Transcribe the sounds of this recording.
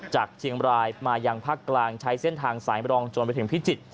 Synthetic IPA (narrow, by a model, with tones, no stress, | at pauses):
t͡ɕaː˨˩k̚t͡ɕʰi˧əŋɾaː˧jmaː˧jaː˧ŋpʰaː˥˩kːlaː˧ŋt͡ɕʰa˦˥jse˥˩nt̪ʰaː˧ŋsaː˩˦jɾɔː˧ŋt͡ɕo˧npa˧jt̪ʰpʰi˦˥˩t͡ɕi˨˩t̪̚